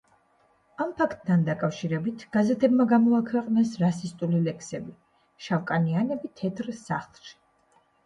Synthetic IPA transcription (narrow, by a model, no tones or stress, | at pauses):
ampʰakʰt̪̚ʼːʰand̪akʼafʃiɾɛbit̪ʰɡ̥azɛt̪ʰɛbmaɡamɔakʰwɛqʼnɛsɾasist̪ʼulilɛkʰsɛbi | ʃavkʼanianɛbit̪ʰɛt̪ʰɾsaχlˠʃi̥